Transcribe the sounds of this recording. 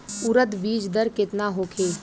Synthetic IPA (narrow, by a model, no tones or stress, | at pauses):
ʊɾət̪ʋiːd͡ʒd̪əɾkɪt̪naɦoːkʰeː